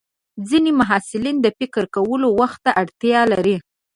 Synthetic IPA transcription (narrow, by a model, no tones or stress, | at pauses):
d͡zinemaɦɑsɪlind̪əfɪkəɾkawəlowaxt̪ːaʔaɽt̪jɑlaɾi